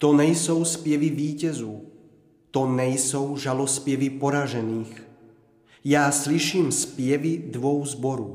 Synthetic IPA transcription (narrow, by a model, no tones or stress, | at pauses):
t̪ɔnɛjsɔʊspɪjɛʋiʋiːcɛzuː | t̪ɔnɛjsɔwʒalɔspɪɛʋipɔɾaʒɛniːx | jaːsliʃiːmspɪjɛʋid̪ʋɔwzbɔɾuː